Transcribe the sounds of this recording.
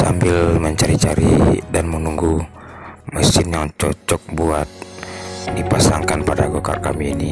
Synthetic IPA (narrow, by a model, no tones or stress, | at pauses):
sa̰mbɪlməɲt͡ʃaɾit͡ʃaɾḭdanmənuŋɡu | məsɪnjaŋt͡ʃɔt͡ʃɔk̚buat̪̚ | dipasaŋkanpadaɡɔka̰rka̰miːni